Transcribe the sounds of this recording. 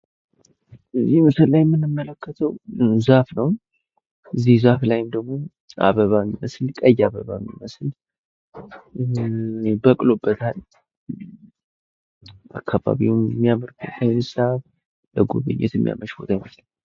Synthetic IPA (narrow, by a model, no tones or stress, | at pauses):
ʔɨzːihmɨsɨllajɛmːɨnɨmːələkːət̪ʰəwzafnəw | ɨzːihzaflajɪmd̪əɡmo̞ | ʔa̰βəβamːiməslkʼəjːaβəβamːḭməsl | bəkʼlobːət̪ʰal | ʔa̰kʰːaβa̰βiwmːijaməɾkʰɨanɨsaβ | ləɡo̰βɨ̰ɲːɛ̰t̪mːija̰məʃbot̪ʰajɪməslə